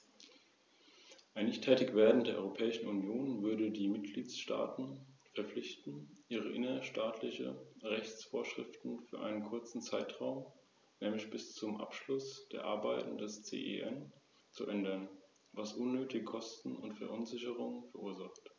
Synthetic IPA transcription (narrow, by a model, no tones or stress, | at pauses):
ʔaɪnːɪçtʰɛːtɪçv̥eːɐdn̩tdeːɐʔɔʏʁopʰɛːɪʃn̩unjoːnvʏɐdədiːmɪtɡ̥liːtsʃta̰ːtn̩fɛɐflɪçtn̩ʔiːʁ̞əʔɪnɐʃtaːtʰlɪçə̰ʁɛçt͡sfoːɐʃʁ̥ɪ̰ftn̩fyːɐʔa̰ɪnənkʰʊɐt͡sn̩t͡saɪtʁ̥aʊm | nɛːmlɪçb̥ɪst͡sʊmʔa̰pʃlʊsd̥eːɐʔa̰ɐbaɪtn̩dɛst͡sḛːʔḛʔɛn | t͡suʔɛndɐn | vasʔʊnːøːtɪɡəkʰɔstn̩ʊ̰ntfɛɐʔʊnzɪçəʁ̞ʊŋənfɛɐʔuːɐzaχt